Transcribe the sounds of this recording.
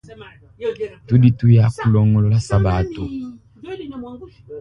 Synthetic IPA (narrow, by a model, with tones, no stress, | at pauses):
tu˦di˦tu˦ja˦ku˦lɔ˦ŋɡɔ˦lɔ˦la˦sa˦ba˨˦tu˨